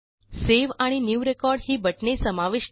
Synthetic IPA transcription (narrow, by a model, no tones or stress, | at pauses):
seʋaɽ̃injuːɾekɔɾɽɦiːbʱəʈnesəmaʋiʃ